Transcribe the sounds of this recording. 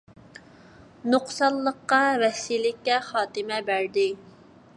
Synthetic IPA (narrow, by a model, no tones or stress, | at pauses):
noqsɑlˠːəqːɑwɛsilɪkʲːɛχɑːt̪ɨmɛbæɾd̪ɪ